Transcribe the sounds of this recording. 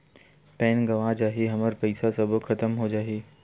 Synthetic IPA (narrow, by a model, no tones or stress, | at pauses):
pɛːnɡɐʋad͡ʑaːɦeɦɐməɾpɐɪsasɐb̆ʱxʰɐt̪əmɦod͡ʑaːɦeː